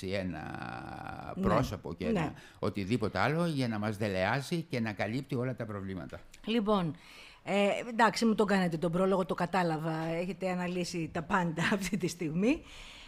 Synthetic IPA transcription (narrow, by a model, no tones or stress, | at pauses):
ie̞nɐ̰ | pɾo̞sopo̞cen̰ | o̞t̪iðipo̞t̪eɐlo̞ʝɐnɐmɐzðe̞le̞ɐzice̞nɐkɐlipt̪io̞lɐt̪ɐpɾo̞vlimɐ̰t̪ɐ | lipo̞n | end̪ɐksimut̪o̞ɡɐnet̪et̪o̞bɾo̞lo̞ɣo̞t̪o̞kɐt̪ɐlɐvɐe̞çe̞t̪e̞ɐnɐlisit̪ɐpɐnd̪ɐːft̪it̪ist̪iɣmi